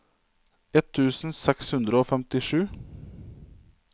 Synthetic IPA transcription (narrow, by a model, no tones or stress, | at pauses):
ɛt̪ʰʉːsn̩sɛkshʉnd̪ɾəoːfɛmt̪ɪʃʉː